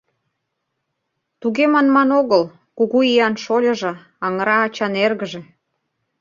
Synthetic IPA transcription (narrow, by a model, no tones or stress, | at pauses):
t̪uɣemɑnmɑnoɣəl | kuɣuijɑnʃolʲə̆ʒɤ̆ | ɑŋəɾɑːt͡ɕɑnerɣəʒĕ